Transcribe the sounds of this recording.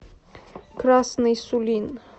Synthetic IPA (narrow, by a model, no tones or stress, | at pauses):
kɾasnɨjsʊlʲin